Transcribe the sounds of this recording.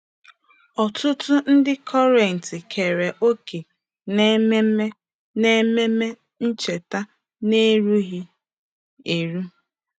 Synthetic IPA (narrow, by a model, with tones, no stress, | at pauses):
ɔ˨tʊ˦tʊ˦n̩˦dɪ˦kʰɔ˦ɾe˨n̩˨tɪ˨kʰe˨ɾe˨ʔo˦ke˨ | ne˦me˦me˦ | ne˦me˦me˦ | n̩˦t͡ʃe˨ta˦ | ne˦ɾu˦ɣi˦ | e˨ɾu˦